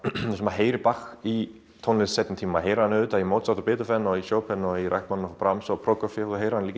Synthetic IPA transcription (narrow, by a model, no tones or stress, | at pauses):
ɛsmaɦeːjɾɪpaxi | t̪ʰownlesːɛt̪nt̪ʰiːmmaɦejɾanʏt̪aimoːwt̪sat̪apɪːt̪ʏfɛnɔisjoːwpɛnɔiɾɛ̰hk̪mannɔfɔpɾamsɔpʰɾowkɔfjɛuðɦejɾanliːc